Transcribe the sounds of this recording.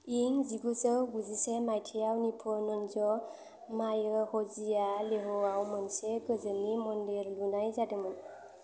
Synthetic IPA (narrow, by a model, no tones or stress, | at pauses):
iŋziɡusəɡuzisɛmajtʰijawnipʰɔnɔnzɔ | majhɔzijaleɦɔawmansɛɡəzənimɔndiɾlunajzademɔn